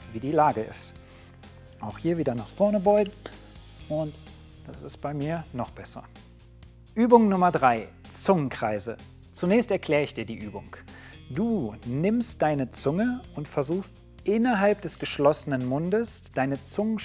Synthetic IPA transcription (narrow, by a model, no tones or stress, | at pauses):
viːdiːlaːɡəʔɪ̰st | ʔaʊxhiːɐviːdɐnaːχfɔɐnəbɔʏɡŋ̩ | ʔʊnt | d̥asɪst̚b̥aɪmiːɐnɔχb̥ɛsɐ̰ | ʔyːbʊŋnʊmɐdʁaɪ | t͡sʊŋənkʁ̥aɪzə | t͡sunɛːçstɛɐkʰl̥ɛːʁəɪçd̥iːɐdiːʔyːbʊŋ | d̥uːnɪmstd̥aɪnət͡sʊŋəʔʊntfɛɐzuːxst | ʔɪnɐɦalp̚d̥ɛsɡ̥əʃlɔsənənmʊndəsd̥aɪnət͡sʊŋən